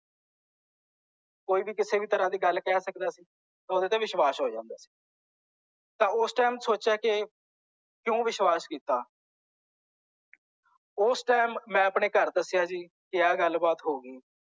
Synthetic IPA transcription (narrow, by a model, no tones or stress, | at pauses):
koːiːbiːkɪseːbiːt̪əɾãːd̪iːɡəlkɛːsəkd̪aːsiː | t̪ãːʊd̪eːt̪ẽːʋɪʃwaːsɦoːd͡ʒãːnd̪aːsi̥ː | t̪ãːʊsʈaːmsoːt͡ʃaːke | kjõːʋɪʃʋaːskiːt̪aː | ʊsʈaːmːɛ̃ːəpɳeːkəɾd̪əsɪjaːd͡ʒiː | kɪjaːɡəlbaːt̪ɦoːɡiː